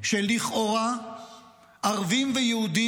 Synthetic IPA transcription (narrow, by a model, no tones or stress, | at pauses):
ʃeliχʔoʁa | ʔaʁvimvejehud̪i